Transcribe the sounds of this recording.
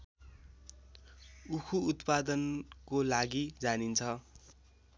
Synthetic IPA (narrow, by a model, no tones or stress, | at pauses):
ukʰuːt̪pad̪ʌnkolaɡid͡zanint͡sʰʌ